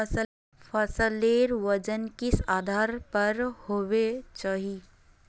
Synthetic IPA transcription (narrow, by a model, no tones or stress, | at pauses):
fʰɐsəleːɾʋɐd͡ʒənkɪsaːd̪ʱaːɾpɐɾhoːʋet͡ʃaːɦiː